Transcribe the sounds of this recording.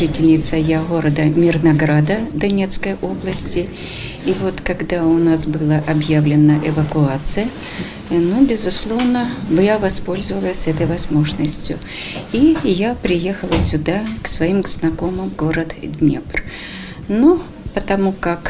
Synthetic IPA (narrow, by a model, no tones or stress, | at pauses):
ʐɨtʲɪlʲnʲɪt̪səjaɣoɾəd̪əmʲɪrnɐɡɾad̪əd̪ɐnʲet̪skəjʔo̞blˠəsʲtʲɪː | vo̞t̪kɐɡd̪aʊnasbɨlˠəʔɐbjavlʲɪnːəʔɪvəkʊat̪sɨjə | nubʲɪzʊslˠo̞vnəvjavɐspo̞lʲzʊvəlˠəsʲɛt̪əjvɐzmo̞ʐnəsʲtʲjʊ̰ | ijapɾʲɪje̞xəlˠəsʲʊd̪aksvɐimɡznɐko̞mɨmɡo̞ɾət̪d̪ʲnʲḛbr | nu | pət̪ɐmukak